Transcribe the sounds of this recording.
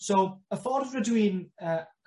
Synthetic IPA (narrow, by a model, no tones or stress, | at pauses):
sowəfɔrvrədwiːnə